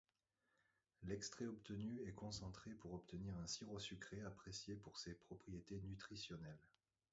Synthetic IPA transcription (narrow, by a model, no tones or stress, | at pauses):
lɛkst̪χɛɔpt̪ənyɛkɔ̃sɑ̃t̪χepuʁɔpt̪əniʁɛ̃siʁosykχeapχesjepuʁsepχɔpχijet̪enyt̪χisjɔnɛl